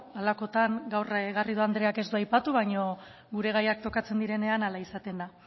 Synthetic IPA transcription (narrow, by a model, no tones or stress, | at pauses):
alako̞t̪aŋɡawrɣariðoand̪ɾe̞ake̞szd̪uajpat̪uβ̞aɲo̞ | ɡuɾe̞ɣ̞ajak̚t̪o̞kat͡se̞nd̪iɾe̞ne̞analaisat̪e̞nd̪a